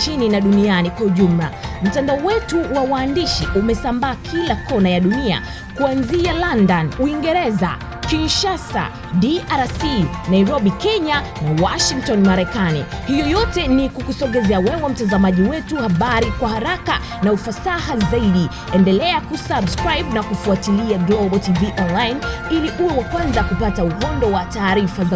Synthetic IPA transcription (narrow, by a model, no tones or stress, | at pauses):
t͡ʃininaɗunianikwahuʄum̩la̰m̩tandaɔwɛtuwawaːndiʃiʔumɛsambaːkʰilakɔnajaɗunia̰ | kuanzialandanuiŋɡɛɾɛza̰ | kinʃasa̰ | ɗiʔaɾasinaiɾɔɓikɛɲa | nawaʃiŋk̚tɔnmaɾɛkanḭhijɔjɔtɛnikukusɔɠɛzɛawɛwɛm̩tazamaʄiwɛtuhaɓaɾikwahaɾaka | naufasahazaiɗi | ɛndɛlɛakusabskɾajɓnakufuatiliaɡlɔɓɔtiviʔɔnlajin | iliʔuwɛwakwanzakupatauɡɔndɔwataːɾifaza